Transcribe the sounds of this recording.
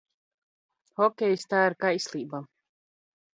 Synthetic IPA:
xɔkʲɛjst̪aːiɾkajsʲlˠiːba

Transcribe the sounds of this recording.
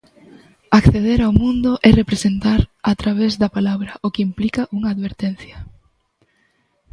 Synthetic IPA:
akθeðeɾawmũnd̪ʊʔɛrepɾesent̪aɾat̪ɾaβ̞ezðɐpalaβɾɐʔokɪimplikɐʔuŋaːðβeɾt̪en̟θjɐ

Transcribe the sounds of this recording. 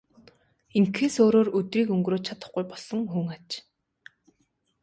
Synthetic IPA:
iŋkʰeːsoːɾoːrɵt̪riːkɵŋɡroːt͡ɕʰat̪ə̆χɡujpɔɮsɞ̆ŋxuːŋat͡ɕ

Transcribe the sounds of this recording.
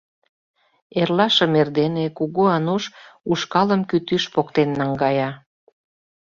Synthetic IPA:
erlɑʃə̆merd̪enekuɣoɑnuʃuʃkɑləmkyt̪yʃpokt̪enːɑŋɡɑjɑ

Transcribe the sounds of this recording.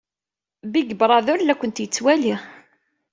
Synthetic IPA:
biɡəbɾˤɑðʊɾlːækʷːənt̪jət͡sːwæli

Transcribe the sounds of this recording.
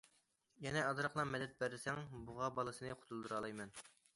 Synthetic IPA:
jɛnɛɑd̪ɾɑqlˠɑmɛd̪ɛt̪̚bæɾɪsɛŋbʊʁɑbɑlˠɨsɨnɨqʰʊ̥t̪ʰulˠd̪uɾɑlˠɑjmɛn

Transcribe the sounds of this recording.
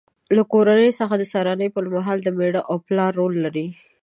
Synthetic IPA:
lakoɾanəjosəxad̪əsɑɾɑnəjpəɾmaɦɑld̪əmeɽəʔawplɑɾːolːaɾi

